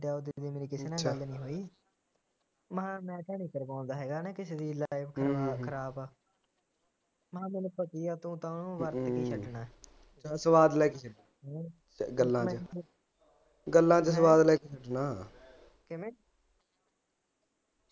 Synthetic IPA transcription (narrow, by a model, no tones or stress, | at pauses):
ɖaːd̪iːd̪iːmeːɾiːkɪseːnãːɡəlnĩːɦoːiː | məɦãːmɛ̃ːʈaːɽiːkəɾbãːnd̪aːɦɛːɡaːneːkɪseːd̪iːlaːɪbkʰəɾaːkʰəɾaːbaː | mɦãːmeːnepəkiːaːt̪ũːt̪ãːnũːʋəɾt̪kiːt͡ʃʰəʈnaː | asəʋaːd̪lɛːket͡ʃəʈː | ɡəlːãːmt͡ʃ | ɡəlːãːt͡ʃsəʋaːd̪lɛːket͡ʃʰəʈnaː | kemẽː